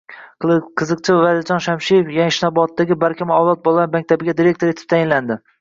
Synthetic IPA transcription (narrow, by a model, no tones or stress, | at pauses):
qʰɨzɨqt͡ʃʰɪvad̪ɪld͡ʒɒnʃamʃijefjaŋʃnabɒt̪d̪ːaɡʲɪbaɾkʲʰɪmɒwlˠɒt̪̚bɒlˠanmak̚ʲt̪ʰabɪɡʲad̪iɾe̞k̚t̪ʰo̞ɾe̞t̪ʰɪ̥p̚t̪ʰajɪnland̪ɪ